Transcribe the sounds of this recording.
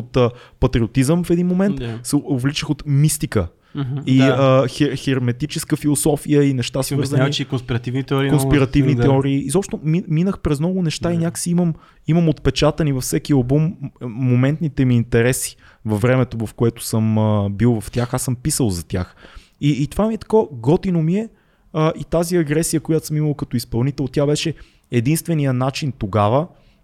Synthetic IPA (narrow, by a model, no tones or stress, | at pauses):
ot̪əpɐt̪ɾiot̪izəmfɛd̪inmomɛnt̪sɛovlit͡ʃəxot̪mist̪ikə | iəxɛxɛɾmɛt̪it͡ʃɛskəfilˠosɔfijəinɛʃt̪asvəɾzənikonspiɾɐt̪ivnit̪ɛɔɾikonspiɾɐt̪ivniɛɔɾiːzɔpʃt̪ʊmiminəxpɾɛznɔɡʊnɛʃt̪ainʲaksiiməm | iməmot̪pɛt͡ʃat̪ənivɐfsɛkiɛlˠbumːomɛnt̪nit̪ɛmiːnt̪ɛɾɛsi̥ | vɐvːɾɛmɛt̪ovɐfkoɛt̪ʊ̥sɤməbilˠvɐft̪ʲaxasɤmpisəlˠzɐt̪ʲja̰x | iːt̪ovamiɛt̪ɐ̥koəɡɔt̪inomiɛ | əʔit̪aziɐɡɾɛsijəkojat̪səmiməlˠkɐt̪ɔispɐlˠnit̪ɛlˠt̪ʲjabɛʃɛ | ɛd̪inst̪vɛnijənat͡ʃint̪oɡavə